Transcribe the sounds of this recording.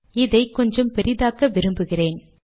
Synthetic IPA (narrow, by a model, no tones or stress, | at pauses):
ɪðɐɪkɔɲd͡ʒɐmpɛɾɪðaːkɐʋɪɾɯmbɯɣɪreːn